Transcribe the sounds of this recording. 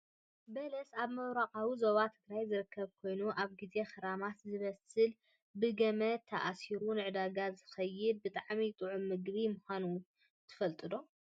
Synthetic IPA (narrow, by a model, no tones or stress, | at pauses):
bɐlɐsaβmɐwɾakʼawizo̞βat̪ʰɨɡɾajzɨɾɨkʰːɐβkʰo̞jnuʔaβɡize̞xɐɾamat̪zɨβɐsɨl | bɨɡɐmɐt̪ʰːɐʔasiɾunɨʕɨd̪aɡazɨxɐjːɪd̪̚bɨt̪ʼaʕmit̪ʼɨʕumɨɡβimuxʷanu | t̪ʰɨ̥fɐlt̪ʼɨd̪o̞